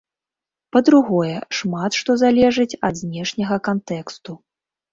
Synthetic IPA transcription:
pɐd̪ɾuɣɔjɛʂmat̪ʂt̪ɔzalʲɛʐɨt͡sʲɐd̪zʲnʲɛʂnʲɐɣɐkant̪ɛkst̪u

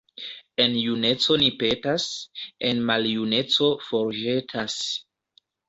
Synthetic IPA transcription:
e̞njune̞t͡so̞nipe̞tase̞nmaljune̞t͡so̞fo̞ɾʒe̞tʰas

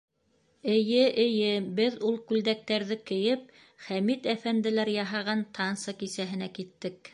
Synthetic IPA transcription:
ɘ̆jɘʔɘ̆jɘbɘðulˠkʉld̪æk̚t̪æɾðɘkɘ̆jɘp̚ | χæmit̪æfænd̪ɘ̆læɾjɑɦɑʁɑnt̪ʰɑnsɑkisæɦɘ̆nækit̪ːɘk̚

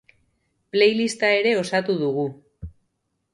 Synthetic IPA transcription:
ple̞jlist̪ae̞ɾe̞o̞sat̪uðuɣu

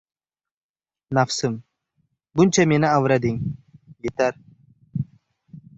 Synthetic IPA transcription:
nafsɨm | bʊnt͡ʃʰamenɪavɾad̪ɪŋjet̪aɾ

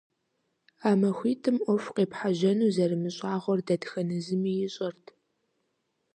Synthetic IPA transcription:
aːmɐxʷiːtʰɨmʔʷɔfqeːpħaʒɐnuːzɐrɨmɨɕʼaːʁʷɔrdɐdxɐnɨzɨmijɪɕʼɐrtʰ

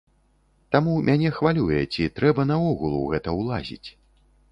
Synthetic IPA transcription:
t̪amumʲʔanʲɛxvalʲujɛt͡sʲit̪ɾɛbɐn̪ɐɔɣulˠṵɣɛt̪ɐwlˠazʲḭt͡sʲ

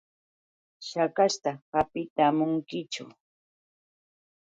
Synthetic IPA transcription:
ʃakaʃt̪ahapɪt̪amʊŋkɪt͡ʃʊ̰

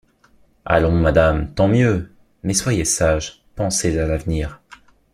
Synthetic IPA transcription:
a̰lɔ̃mad̪amt̪ɑ̃mjø | mɛswajesaʒ | pɑ̃sezalavniːʁ

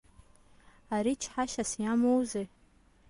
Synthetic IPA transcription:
aɾit͡ʃʰħaʃasijamowze

